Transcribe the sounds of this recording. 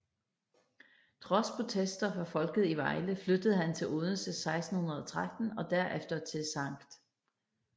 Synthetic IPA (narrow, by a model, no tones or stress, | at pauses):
t͡sʰʁɒ̽spʰʁo̝t͡sʰesd̥ɐfʁɑ̈fɒ̽lɡ̥ð̩ˠiʋɑ̈ɪləflød̥əð̞̩ˠɦænt͡sʰe̝loðˠn̩səsɑ̈ɪsd̥n̩hunɐðˠɒ̽t͡sʰʁad̥n̩ɒ̽d̥æɐʔefd̥ɐt͡sʰe̝lsɑ̈ŋ̰ɡ̥d̥